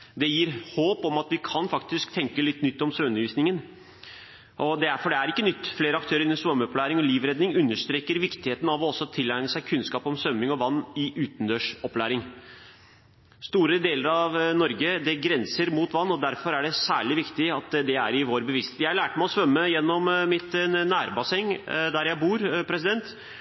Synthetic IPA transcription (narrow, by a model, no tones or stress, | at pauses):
d̪ɛjiːɾhoːpɔmɑt̪ʋɪkʰɑnfɑkt̪ɪskt̪ʰɛŋkəlɪt̪ːnʏt̪ːɔmsʉnəʋiːsnɪŋən | ʔɔd̪ɛæfɔɖɛæɾɪkːənʏt̪ːfleːɾəɑk̚t̪ʰøːɾɪnːnsʋœmːəɔplæːɾɪŋɔliːʋɾɛd̪nɪŋʉnːəʂt̪ɾeːkəɾʋɪkt̪ɪheːt̪n̩ɑʋɔɔsːɔt̪ʰːɪlːæɪnəsæɪkʰʉnskɑːpɔmsʋœmːɪŋɔʋɑnːɪʔʉːt̪nd̪øːʂɔplæːɾɪŋ | st̪uːɾəd̪eːləɾɑʋnɔɾɡəd̪ɛɡɾɛnsəɾmuːt̪ʋɑnːɔd̪æɾfɔɾæɖɛsæːɭɪʋɪkt̪ɪɑt̪d̪ɛæɾɪʋoːɾbəʋɪst̪eːt̪jæɪɑlæːʈmæɪɔsʋœmːəjɛnːɔmmɪt̪næːɾbɑsɛŋd̪æɾjæɪbuːɾpʰɾɛs̬ɪd̪ɛnt̪